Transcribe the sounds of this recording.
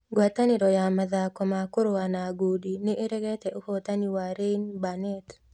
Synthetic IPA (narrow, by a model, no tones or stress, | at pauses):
ɡwat̪aniɾɔjamaðakomakʊɾowanaɡudinɪʔːɾɛɡɛt̪ɛʔohot̪aniwaɾenbanɛt̪